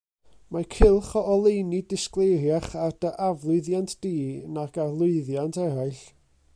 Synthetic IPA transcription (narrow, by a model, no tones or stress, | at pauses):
makʰɪlˠχɔʔɔlˠejnidɪsklˠejɾjaχard̥əʔavlˠʊɨðjantʰd̥iːnaɡarlˠʊɨðjantʰɛɾaɨɬ